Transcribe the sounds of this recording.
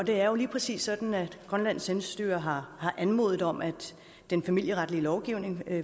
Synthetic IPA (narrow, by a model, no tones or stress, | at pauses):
ɒ̽d̥e̝æɐjo̝liːpʰʁɛsḭːsːɒ̽d̥n̩æ̥ɡ̥ʁɶnlæn̰senssd̥yːɐɦɑ̈hɑ̈ʔænmo̝ðˠð̩ˠɒ̽m̰ʔæ̥ | d̥enfæmil̰jəʁäd̥əliəlɒʊɡ̥iʊ̰ne̝ŋ